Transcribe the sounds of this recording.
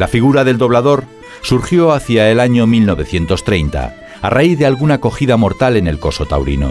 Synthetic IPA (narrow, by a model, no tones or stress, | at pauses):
lafiɣ̞uɾaðe̞ld̪o̞β̞laðo̞ɾ | suɾxjo̞aθjaelaɲo̞milno̞βe̞θje̞nt̪o̞st̪ɾe̞jnt̪a̰ | araiθðealɣunako̞xiðamo̞ɾt̪ale̞ne̞lko̞so̞t̪a̰wɾḭno̰